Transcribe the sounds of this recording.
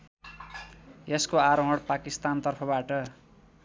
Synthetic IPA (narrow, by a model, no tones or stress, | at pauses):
eskoaɾoɦʌɽpakist̪ant̪ʌrpʰʌbaʈʌ